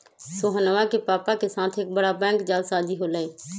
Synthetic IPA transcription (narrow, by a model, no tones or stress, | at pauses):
soːɦənəʋãːkepaːpakesaːt̪ʰeːk̚bəɽaːbɛ̃ːŋkd͡ʒaːlsaːd͡ʒiːɦoːlaːeː